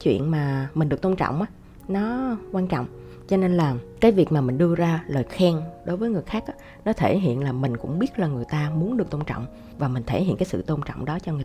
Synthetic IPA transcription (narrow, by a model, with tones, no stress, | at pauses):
t͡ɕwḭ˧˨ənmaː˨˩mi̟˨˩ɗɨ˨˩ək̚t̪o˧nt͡ɕɔ̰˧˨wŋ͡mʔaː˨˦ | nɔ˨˦kwaː˧nt͡ɕɔ̰˧˨wŋ͡m | t͡ɕɔ˧ne˧nlaː˨˩kaː˨˦jvi˨˩ək̚maː˨˩mï˨˩ŋ̟ɗɨ˧əzaː˧ləː˨˩jxɛ˧ŋɗo˨˦jvəː˨˦jŋɨ˨˩əjxaː˦˥k̚ʔaː˨˦ | nɔ˨˦t̪ʰe˧˩ɦḭ˧˨ənlaː˨˩mï˨˩ŋ̟kʊ̰˧˥ŋ͡mɓi˦˥ət̚laː˨˩ŋɨ˨˩əjt̪aː˧mu˨˦ənɗɨ˨˩ək̚t̪o˧nt͡ɕɔ̰˧˨wŋ͡m | vaː˨˩mï˨˩ŋ̟t̪ʰe˧˩hḭ˧ənkaː˨˦sɨ̰˧˨t̪o˧nt͡ɕɔ̰˧˨wŋ͡mɗɔ˨˦t͡ɕɔ˧ŋɨ˨˩